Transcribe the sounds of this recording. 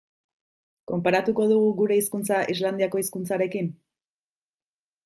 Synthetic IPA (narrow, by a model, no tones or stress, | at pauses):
ko̞mpaɾat̪uko̞ðuɣuɣuɾe̞iskunt͡saʔizland̪iako̞iskunt͡saɾe̞kin